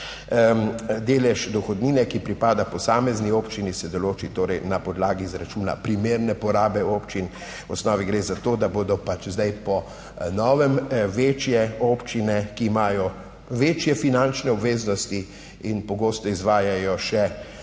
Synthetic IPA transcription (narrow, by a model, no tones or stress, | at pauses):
d̪eːlɛʃd̪ɔxɔd̪niːnɛkipɾipaːd̪apɔsaːmɛznioːpt͡ʃinisɛd̪ɔloːt͡ʃit̪oːɾɛjnapɔd̪laːɡiːzɾat͡ʃuːna̰pɾimeːɾnɛpɔɾaːbɛoːpt͡ʃin | wɔsnɔːʋiɡɾeːzat̪oːd̪aboːd̪ɔpat͡ʃzd̪ajpɔ | nɔːʋɛmʋeːt͡ʃjɛopt͡ʃinɛkiːmaːjɔ | ʋeːt͡ʃjɛfinãnt͡ʃnɛɔbʋeːznɔst̪i | inpɔɡoːst̪ɔizʋaːjajɔʃɛ